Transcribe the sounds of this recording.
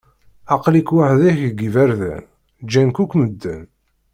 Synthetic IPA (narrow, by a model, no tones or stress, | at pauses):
ɑqlikwaħðiçɡivæɾðæ̰n | d͡ʒːænkukʷməd̪ːæ̰n